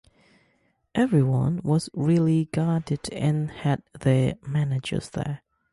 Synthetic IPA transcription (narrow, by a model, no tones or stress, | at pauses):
ʔɛvɹiwʌ̰̃nwʌzɹɪlˠiɡɑdɨdɨ̃nhɨd̪̚ðəmænɨd͡ʒə̰˞z̥ðə̰˞